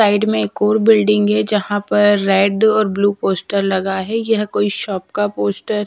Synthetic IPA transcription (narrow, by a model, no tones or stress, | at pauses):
aːɪɖmẽeːkɔːɾbɪlɖɪ̃ŋɡɦɛd͡ʒɐɦãpɐɾːɛːɖɔːɾbluːpoːsʈəɾlɐɡaɦɛjɐɦkoːiʃɔːp̚kapoːsʈəɾ